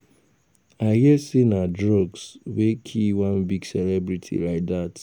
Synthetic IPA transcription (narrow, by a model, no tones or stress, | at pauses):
aɪhisinadɹɔɡswekʰiwãnbiɡsɛlɛbɹitʰḭlaɪt̚ðat